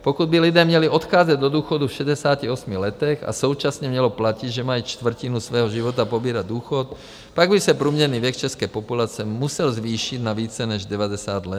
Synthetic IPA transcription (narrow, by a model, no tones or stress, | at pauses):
pɔkud̪̚bilid̪ɛːmɲɛliɔt̪xaːd͡zaɟd̪ɔd̪uːxɔd̪ufʃɛdɛsaːciɔsmiɣlɛt̪ɛxa̰sɔʊt͡ʃasɲɛmɲɛlɔplaciɟʒɛmait͡ʃt̪ʋr̩cinusʋɛːɦɔʒiʋɔt̪apɔbiːɾaɟd̪uːxɔt̪ | paɡbisɛpɾuːmɲɛɾniːʋɛkt͡ʃɛskɛjpɔpulat͡sɛmusɛlzʋiːʃid̪naʋiːt͡sɛnɛʒɟɛʋadɛsaːd̪lɛ